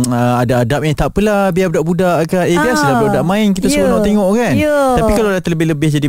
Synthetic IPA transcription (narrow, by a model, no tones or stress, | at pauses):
əadaːdap̚jat̪aʔpəlahbiabudaʔbudaʔkanebiasəladabudaʔmãɪnkit̪asbnaʔt̪eŋɔʔkanəapikalaalat̪ələbɪhləbɪhd͡ʒadi